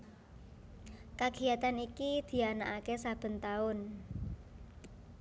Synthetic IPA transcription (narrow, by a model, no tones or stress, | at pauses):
kaɡ̥iat̪anikid̪̥i̤anaʔakesab̥ə̤nt̪aʊn